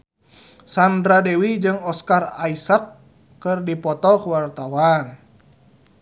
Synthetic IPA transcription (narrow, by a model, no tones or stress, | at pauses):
sandɾadewid͡ʒɨŋɔskaraisakː | ɨrdipɔt̪ɔkuwart̪awan